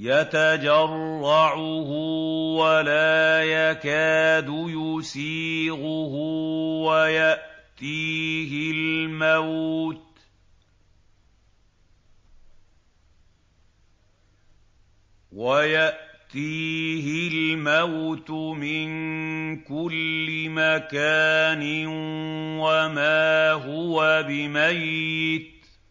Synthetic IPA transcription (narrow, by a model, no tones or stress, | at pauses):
jat̪ad͡ʒɑrˤːɑʕʊɦʊwalaːjakaːd̪ʊjʊsiːɣʊɦʊwajaʔt̪iːɦɪlmawt̪ | wajaʔt̪iːɦɪlmawt̪ʊmɪnkʊlːɪmakaːnɪ | wamaːɦʊwabɪmajːɪt̪